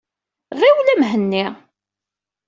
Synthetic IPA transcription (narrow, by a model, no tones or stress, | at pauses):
ʁiwlæmɦənːi